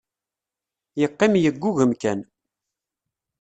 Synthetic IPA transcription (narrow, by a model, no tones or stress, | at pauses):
jəqːɪmjəɡʷːuɣəmkæn